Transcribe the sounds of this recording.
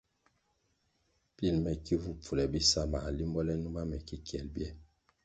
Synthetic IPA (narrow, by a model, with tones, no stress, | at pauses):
pi˦˨lmɛ˨ki˦vu˦p͡fu˨lɛ˨bi˦sa˦˨ma˨li˦mbɔ˦lɛ˦nu˦ma˦mɛ˨ki˦kjɛ˨lbjɛ˦